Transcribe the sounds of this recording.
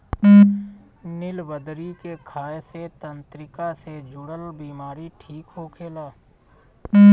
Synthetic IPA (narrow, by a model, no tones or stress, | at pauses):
nɪlbəd̪ɾikekʰaːeset̪ə̃nt̪ɾɪkased͡ʒʊɽəlbiːmaːɾiʈʰiːkɦoːkʰeːlaː